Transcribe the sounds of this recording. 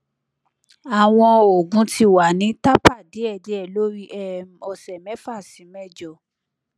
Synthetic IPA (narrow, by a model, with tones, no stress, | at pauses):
a˨w̃ɔ̃˧o˨ɡũ˨˦ti˧wa˨nĩ˨˦ta˦pa˦˨de˨˦ɛ˦˨de˨˦ɛ˨lo˦ɾi˦ʔɛ˦˨m˨ɔ˨sɛ˨mɛ̃˨˦fa˦˨sĩ˨˦mɛ˦d͡ʒɔ˦˨